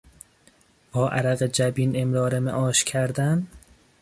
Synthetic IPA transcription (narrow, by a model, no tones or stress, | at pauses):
b̥ɒːʔæ̰ɾæɣed͡ʒæbiːnemɾɒːɾemæ̰ʔɒːʃcʰæɾd̪æn